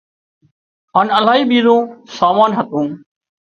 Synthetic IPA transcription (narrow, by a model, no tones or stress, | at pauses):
ɦaːnəlaːɦiːɓiːzõːsaːmaːnɦət̪ũː